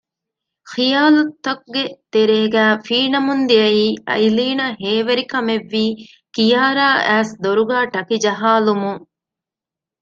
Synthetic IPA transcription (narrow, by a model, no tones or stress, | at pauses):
xijaːlut̪ːɐkuɡet̪eɾeːɡæːfiːnɐmund̪iɐjiːʔɐ̰jiliːnɐɦeːʋeɾikɐmeʋːiː | kijaːɾaːʔæːsd̪oɾuɡaːʈɐkid͡ʒɐɦaːlumuŋ